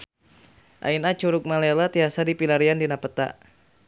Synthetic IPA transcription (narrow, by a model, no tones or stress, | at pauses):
ʔa̰inat͡ʃuɾʊk̚malɛlat̪iasadipilaɾiandinapət̪a̰